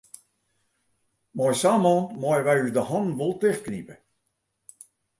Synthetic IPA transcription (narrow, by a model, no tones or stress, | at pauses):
mɔjsaːmɔːnmɔjʋɛjysdəhɔnʋolˠtɪxknipə